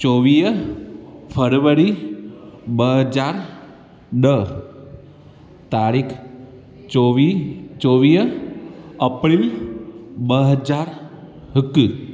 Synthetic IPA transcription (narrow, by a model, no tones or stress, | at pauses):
t͡ʃoʋiːj | pʰəɾʋəɾi | bəɦəd͡ʒaɾ | ɖə | t̪aɾikʰ | t͡ʃoʋit͡ʃoʋiː | əpɾil | bəɦəd͡ʒaɾ | ɦəki